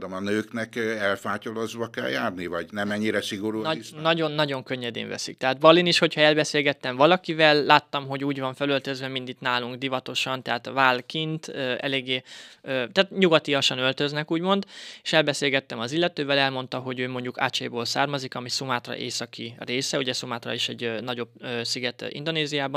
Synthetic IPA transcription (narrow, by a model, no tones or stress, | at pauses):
d̪omɒnøːknɛkɛlfaːcolozʋɒkɛ̰ljaːrnivɒɟnɛmɛɲːiɾɛsiɡoɾunɒɟo̞nːɒɟo̞ŋkøɲːɛd̪ḛːɱvɛ̰sik̚t̪ɛɦaːd̪̚bɒlːiniʃho̞chɒɛlbɛseːlɡɛt̪ːɛɱvɒlɒkivɛlːaːt̪ːɒmɦo̞ɟuːɟvɒɱfɛlølt̪øzvɛmind̪it̪naːluŋɡd̪ivɒt̪o̞ʃɒnt̪ɛɦaːt̪vaːlkint̪øːɛ̰leːɡːeːøːt̪aːt̪ɲuɡɒt̪ijɒʃɒnø̞lt̪ø̞znɛkuːɟmo̞nd̪eʃɛlbɛseːlɡɛt̪ːɛmɒzilːɛt̪øːvɛlɛlmo̞nt̪ɒɦo̞ɟøːmo̞ɲɟuka̰ːt͡ʃḛːboːlsaːrmɒzikɒmisumaːt̪rɒ̰ʔḛːsɒkireːsɛuɟɛsumaːt̪rɒ̰iʃɛɟnɒɟo̞bøːsiɡɛt̪ḭnd̪o̞neːzijaːbɒn